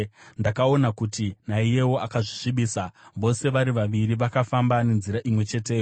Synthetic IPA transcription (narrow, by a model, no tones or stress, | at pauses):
ndakao̞nakutinaije̞wo̞akaʐiʂiɓiːsaʋo̞se̞ʋaɾiʋaʋiɾiʋakafambane̞nziɾaʔimwe̞t͡ʃe̞teːjo